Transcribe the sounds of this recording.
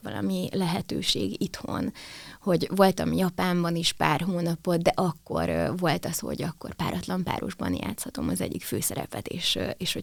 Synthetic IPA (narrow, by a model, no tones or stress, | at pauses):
ʋɒlʔɒ̰milɛɦɛt̪øːʃeːɡit̪ho̰nho̞ɟvo̞lt̪ɒmjɒpaːmbɒneːʃpaːrɦoːnɒpo̞t̪̚d̪ɛʔɒkːorvo̞lt̪ɒsho̞̰ɟɒkːo̞rpaːɾʔɒt̪lɒmpa̰ːɾo̰ʒbɒ̰nja̰ːt̪shɒt̪o̞mɒzɛɟːikføːsɛɾɛ̰pɛt̪eːʃeːʃho